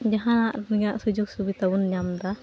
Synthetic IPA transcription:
d͡ʒaɦãnaʔɲaʔsud͡ʒuɡ̚subit̪abunɲamd̪a

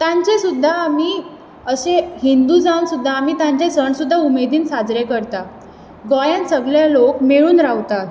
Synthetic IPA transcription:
t̪ãɲt͡ɕesud̪ʱːaːmiː | əɕeɦind̪ud͡zaunsud̪ʱːaːmiːt̪ãɲt͡ɕesəɳsud̪ʱːaumed̪iːnsad͡zɾekəɾt̪a | ɡɔjãnsəɡɭjalokmeɭuːnɾaʋt̪at̪

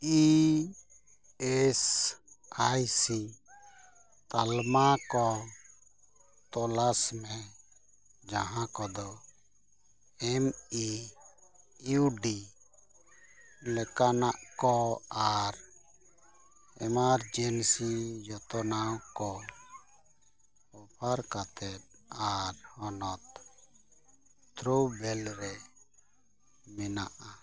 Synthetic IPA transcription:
i | ɛs | ajsi | t̪almakɔ | t̪ɔlasmɛ | d͡ʒaɦãkɔd̪ɔ | ɛmi | uɖi | lɛkanaʔkɔaɾ | ɛmaɾd͡ʒɛnsid͡ʒɔt̪ɔnawkɔ | ɔpʰaɾkat̪ɛt̪̚aɾhɔnɔt̪ | t̪ɾobɛlɾɛ | mɛna̰ʔa

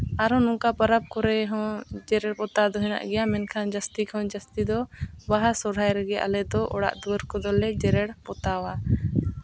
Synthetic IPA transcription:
aɾɔnɔ̃ŋkapəɾab̚kɔɾɛɦɔ̃d͡ʒɛɾɛɽpɔt̪ad̪ɔɦɛna̰ʔɡɛjamɛnkʰand͡ʒast̪ikʰɔ̃d͡ʒəst̪id̪ɔbaɦasɔɾ̤ajɾɛɡɛʔa̰lɛd̪ɔʔɔɽa̰ʔd̪uwəɾkɔd̪ɔlɛd͡ʒɛɾɛɽpɔt̪awa

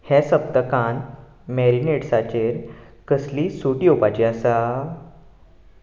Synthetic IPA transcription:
hɛ̃səpt̪əkan | mɛɾineʈsat͡ɕeɾ | kəslisuʈiopat͡ɕiasa

